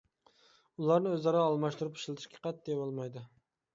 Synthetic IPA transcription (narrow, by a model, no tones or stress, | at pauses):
ulˠɑɾnɪøzɑɾɑːlˠmɑʃt̪uɾupʰi̥ʃlˠɪt̪ʰɪ̥ʃkʲʰqʰɑt̪̚d̪evɑlˠmɑjd̪ɪ